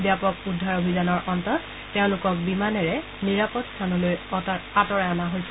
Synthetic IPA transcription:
bjapɔkudʱːaɹobʱizanɔɹʔɔntɔt | teʊ̃lʊkɔk̚bimanɛɹɛ | niɹapɔtst̪ʰanɔlojɔtaɹatɔɹɛanaɦojsɛ

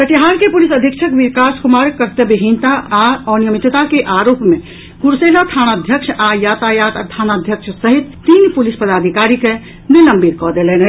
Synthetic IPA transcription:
kət͡ʃiɦaɾkepulisəd̪ʱikʃʰəkʋikaskumaɾkəɾt̪ebiɦint̪aaɔnijəmit̪t̪akeʔaɾopme | kuɾselət̪ʰanad̪ʱjəkʃʰajat̪ajat̪t̪ʰanad̪ʱjəkt͡ʃʰsəɦit̪ːinpulispəd̪ad̪ʱikaɾike | niləmbiɾkɔd̪elenɛ

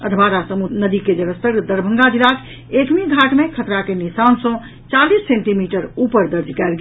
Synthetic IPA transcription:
ə̰d̪ʱbaɾasəmunəd̪iked͡ʒəɾəst̪əɾd̪əɾbʱəŋɡad̪ilakʰ | ekmiɡʱaʈmekʰət̪ɾakenisansə̃ | t͡ʃalisːẽɳʈimiʈəɾupəɾd̪əɾd͡ʒkɛlɡ

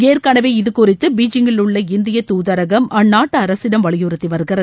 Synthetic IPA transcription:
eːrkɐːɳɐʋeːɪðɯkʊrɪt̪ːɯbiːd͡ʒɪŋɡɪlʊɭːɐɪnd̪ɪjɐt̪uːðɐɾɐɣɐmʔɐnːaːʈːɐɐɾɐsɪɽɐmʋɐɭɪjuːɾɐt̪ːɪʋɐɾɯɣɐɾɐ

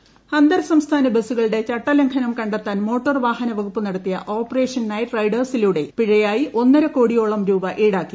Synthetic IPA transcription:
hɐnd̪ɐɾsɐmst̪ʰaːnɐbesuɣɐɭɨɽe̞t͡ɕɐʈːɐlɐŋkʰɐnɐmkɐɳɖɐt̪ːaːnmo̞ːʈːɐrʋaːhɐnɐʋɐɡupːɨnɐɽɐt̪ːijɐ̰ʔo̞ːpːɐre̞ːʂɐnnaːjirɐjɖɐrsiluɽe̞piɻɐjaːjiʔo̞nːɐɾɐko̞ːɽijo̞ːɭɐmɾuːbɐʔiːɽaːkːi

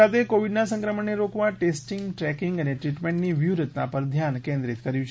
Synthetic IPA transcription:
at̪ʰekoʋiɖnasə̃ŋkɾəməɳːeɾokʋãʈesʈiŋɡʈɾɛkiŋɡəneʈɾiʈmeɳʈniʋjuɾət̪napəɾd̪ʱjankẽnd̪ɾit̪kəɾjũt͡ʃʰ

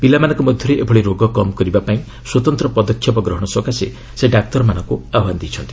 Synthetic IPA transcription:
pilamanɔ̃ŋkɔmɔd̪ʱjɔɾeʔebʱɔɽeɾoɡɔkɔmɔkɔɾibapaĩ | swɔt̪ɔnt̪ɾɔpɔd̪ɔkʰːjɔpɔɡɾɔɦɔɽ̃ɔswɔkasḛ | seɖak̚t̪ɔɾmanɔŋkuaband̪it͡ʃʰɔnt̪i

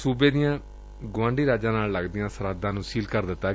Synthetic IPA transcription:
suːbeːd̪ijãː | ɡʊʋãːɳɖiːɾaːd͡ʒãːnaːlləɡd̪ɪjãːsəɾaːd̪ãːnũːsiːlkəɾd̪ɪt̪ːaː

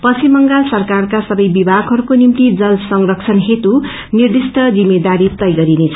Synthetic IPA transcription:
pʌsimʌŋɡalsʌrkarkasʌbʌjbibʱaɡɦʌɾukonimt̪id͡zʌlsʌŋrʌkt͡sʰʌnɦet̪u | nird̪isʈʰʌd͡zimed̪aɾit̪ʌjɡʌɾinet͡sʰʌ

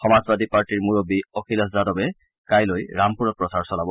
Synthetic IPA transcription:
xɔmazbadipaɹʈiɹmuɹobiɔkʰilɔszadɔbɛ | kajlojɹampuɹɔt̚pɹɔsaɹsɔlabɔ

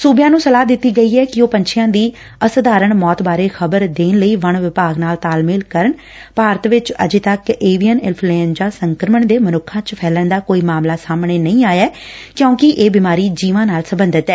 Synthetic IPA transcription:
suːbjãːnũːsəlaːd̪ɪt̪ːiːɡəiːɛːkɪoːpəɲt͡ʃʰɪjãːd̪iː | əsəd̪aːɾəɳmɔːt̪baːɾeːxʰəbəɾd̪eːnləiːʋəɳʋɪpaːɡnaːlt̪aːlmɪːlkəɾəɳ | paːɾət̪ʋɪt͡ʃə̰d͡ʒet̪əkeːʋijənɪlpʰlẽːnd͡ʒaːsəŋkɾəməɳd̪eːmənʊkʰãːt͡ʃpʰɛːlənd̪aːkoːiːmaːmlaːsaːmɳeːnəĩːaːjaː | kjõːkɪʔeːbɪmaːɾiːd͡ʒiːʋãːnaːlsəbənd̪ət̪ɛː

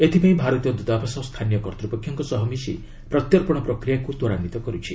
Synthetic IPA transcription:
et̪ʰipaĩbʱaɾɔt̪iɔd̪ud̪abʱasɔst̪ʰanijɔkɔɾt̪ɾɔpɔkʰjɔŋkɔsɔɦɔmisi | pɾɔt̪jɔɾpɔɽ̃ɔpɾɔkɾijakut̪ɔɾanit̪ɔkɔɾut͡ʃʰi

